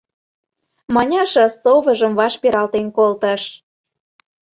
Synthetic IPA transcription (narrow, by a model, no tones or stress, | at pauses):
mɑnʲɑʃɑsoβə̆ʒə̆mvɑʃpeɾɑlt̪enkolt̪əʃ